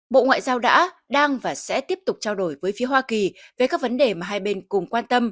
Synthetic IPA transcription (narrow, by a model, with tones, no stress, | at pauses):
ɓo̰˧˨ŋwa̰ː˧˨jzaː˧wɗa̰ː˧˥ɗaː˧ŋvaː˨˩sɛ̰˧˥t̪i˦˥əp̚t̪ʊ˨˩k͡p̚t͡ɕaː˧wɗo˧˩jvəː˨˦jfi˨˦əɦwaː˧ki˨˩ve˨˩kaː˦˥k̚və˨˦nɗe˨˩maː˨˩ɦaː˧jɓe˧nkʊ˨˩ŋ͡mkwaː˧nt̪ə˧m